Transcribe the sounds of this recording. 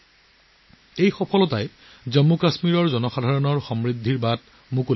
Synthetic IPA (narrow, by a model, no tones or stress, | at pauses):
ejxɔpʰɔlɔtaj | zɔmːukasmiɹɔɹzɔnɔxadʱaɹɔnɔɹxɔmɹidʱːiɹbad | muko